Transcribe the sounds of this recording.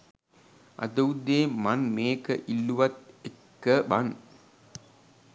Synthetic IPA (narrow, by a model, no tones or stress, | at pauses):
ʔɐ̰t̪ɐwd̪eːmɐnmeːkəʔilːuʋɐt̪̚ekːəʋɐn